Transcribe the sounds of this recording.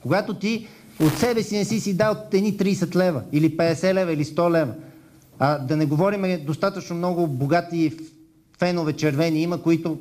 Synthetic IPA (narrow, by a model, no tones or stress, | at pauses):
koɡat̪ot̪i | ot̪sɛbɛsinɛsisid̪aot̪ɛd̪nit̪ɾiːsɛt̪lɛvəilipɛd̪ɛsɛlɛvɐilist̪ɔlɛvə | ɐd̪ɐnɛɡovɔɾimɛd̪ost̪at̪ət͡ʃnomnɔɡʊboɡat̪i | fɛnovɛt͡ʃɛɾvɛniiməkoit̪o